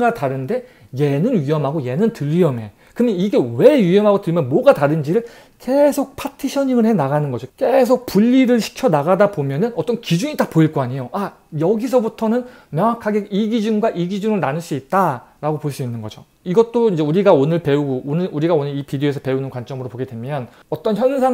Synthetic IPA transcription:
ataɾɯnde̞ | je̞nɯnɥiʌmɦaɡoje̞nɯntɯʎːɥiʌme̞ | kɯneiɡe̞we̞ɥiʌmɦaɡotɯɭmjʌnmwʌɡataɾɯnd͡ʑiɾɯɭ | ke̞sʰok̚pʰatʰiɕʰʌɲiŋɯɭhe̞naɣanɯnɡʌd͡ʑokesʰok̚puʎːiɾɯɭɕʰi̥kʰjʌnaɣadapomjʌnɯnʌt͈ʌnkid͡ʑuɲitapoiɭk͈oaɲejoa | jʌɡis̬ʰʌbutʰʌnɯn | mjʌŋakʰːaɡeiɡid͡ʑunɡwaʔiɡid͡ʑuŋɯɭnanɯɭs͈uit̚t͈aɾaɡopoɭs͈uinːɯnɡʌd͡ʑo | iɡʌt̚t͈oind͡ʑe̞uɾiɡaonɯɭpe̞uɡoonɯɾuɾiɡaonɯɾipideoesʰʌpe̞unɯnkwant͡ɕ͈ʌmɯɾopoɡe̞dwe̞mjʌn | ʌt͈ʌnçjʌnsʰa

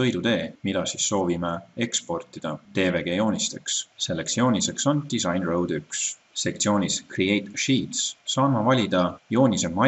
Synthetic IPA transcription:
ɤ̞jd̪ut̪e̞ːmid̪̥ɑsisːo̞ːvimee̞kspo̞rt̪ˑid̪̥ɑt̪e̞ːve̞ɡ̥e̞jo̞ːnʲist̪e̞ksse̞lːeksjo̞ːnʲise̞kso̞nd̪̥isɑjnrowd̪yks | se̞k̚t̪sioːnʲiskriejt̪ʃiːt̪ssɑːmɑvɑlʲid̪̥ɑjo̞ːnʲise̞mːɑ

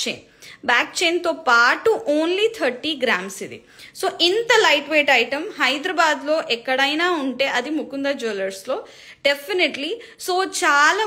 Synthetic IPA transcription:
t͡ʃḛːn | baːk̚t͡ʃeːnt̪oːpaːʈuʔoːnliːt̪ʰɐɾʈiːɡɾaːmsid̪ḭ | soːʔint̪ɐlɐjʈʋeːʈɐjʈɐmɦɐjd̪ɾɐbaːd̪lo̞ːʔɛkːɐɽɐjnaːuɳʈe̞ːʔɐd̪imukund̪aːd͡ʒoːlɐɾslo̞ː | ɖepʰineʈli | soːt͡ʃaːlaː

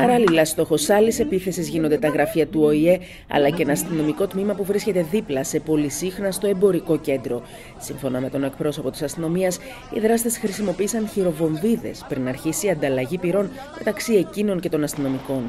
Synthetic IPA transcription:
pɐɾɐlilɐst̪o̞xo̞sɐlese̞piθe̞sizʝinond̪e̞t̪ɐɣɾɐfiɐt̪uo̞ie̞ | ɐ̰lɐcenɐɐst̪ino̞miko̞t̪mimɐpuvɾisce̞t̪e̞ðiplɐse̞po̞lisixnɐst̪o̞e̞mbo̞ɾiko̞ce̞nd̪ɾo̞ | siɱfo̞nɐme̞t̪o̞ne̞k̚pɾo̞so̞po̞t̪i̥sɐst̪ino̞miɐs | ḭðɾɐst̪e̞sxɾisimo̞piːsɐnçiɾo̞vo̞ɱviðe̞̰spɾinɐɾçisiɐnd̪ɐlɐʝipiɾo̞n | me̞t̪ɐksie̞cino̞ncet̪o̞nɐst̪ino̞miko̞n

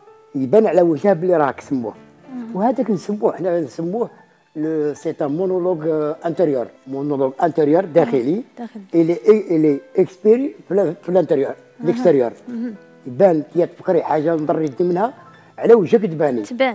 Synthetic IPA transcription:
jbænʕlæwəʒæbəliɾˤɑksəmːṵh | whæd̪æknsəmːuəħnænsəmːuh | lsit̪æmonoloɡʔæ̃nt̪əɾjəɾˤmonoloɡʔænt̪əɾjəɾˤd̪æxəliliʔliʔəkspiɾfilʔænt̪əɾjəɾ | ləkst̪əɾjəɾˤ | jbænt̪əjæt̪fqɾiħaʒːand̪ˤɑrˤːd̪imənhæ | ʕlæwəʒæk̬əd̪bæni

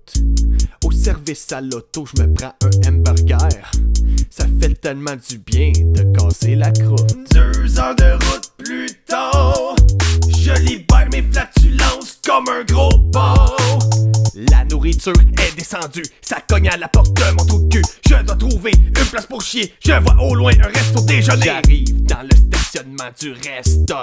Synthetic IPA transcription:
t̪ | osɛʁvɪsalɔt̪oʒəməpʁɑ̃œ̃ɛmbɛʁɡʲɛːʁsafɛt̪ɛlmɑ̃d͡zybjɛ̃d̪əkɑːzelakʁʊfd̪øzɑ̃d̪əʁʊt̪̚plyt̪o | ʒəlibɛːʁmeflat̪ylɑ̃skɔmɛ̃ɡʁobɔ | lanuʁit̪yːʁɛd̪esɑ̃d͡z̪ysakɔɲalapɔʁt̪̚d̪ə̃mɔ̃t̪od̪̚køʒ̥əd̪wat̪χuveynplaspʊʁʃjeʒ̥əvwaʔolwɛ̃ʔɛ̃ʁɛst̪od̪eʒəneaʁiːvd̪ɑ̃ləst̪asjɔnmɑ̃d̪yʁɛst̪o

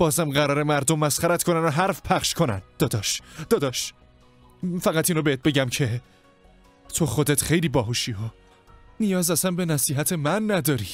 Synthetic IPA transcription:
b̥ɒːzæmɢæɾɒːɾemæɾd̪omːæsχæɾæt̪ko̞nænoɦæɾfpʰæχʃkʰo̞næ̰nd̪̥ɒːd̪ɒːʃd̪ɒːd̪ɒːʃ | fæɣæt̪ʰinɾobeet̪̚be̞ɟæmcʰe̞ | t̪ʰo̞xod̪et̪xe̞jliːbɒːɦoʃiːo | nijɒːzæsæmbe̞næsiːɦæt̪ʰe̞mænːæd̪ɒːɾiː

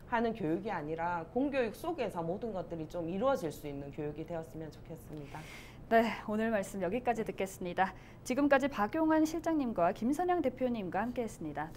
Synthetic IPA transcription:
hanɯnkjojuɡiaɲiɾakoŋɡjojuk̚s͈oɡe̞sʰʌmodɯnɡʌt̚t͈ɯɾit͡ɕomiɾuʌd͡ʑiɭs͈uinːɯnkjojuɡidwe̞ʌs͈ɯmjʌnt͡ɕo̥kʰe̞s͈ɯmɲida | ne̞onɯɭmaɭs͈ɯmjʌɡik͈ad͡ʑitɯk͈e̞s͈ɯmɲida | t͡ɕiɡɯmk͈ad͡ʑipaɡjoŋɦanɕʰiɭt͡ɕ͈aŋɲimɡwakimsʰʌɲaŋte̞pʰjoɲimɡwahamk͈e̞ɦe̞s͈ɯmɲida

